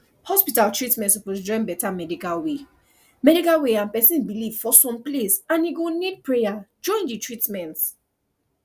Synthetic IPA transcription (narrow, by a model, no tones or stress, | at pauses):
hɔspitaltɹitmɛ̃ntsɔposd͡ʒɔ̃ɪ̃nbɛtamɛdikalwe | mɛdikalweãnpɛsĩnbilivfɔsɔ̃mplesãniɡonid̚pɹejad͡ʒɔ̃ɪ̃nditɹitmɛ̃nt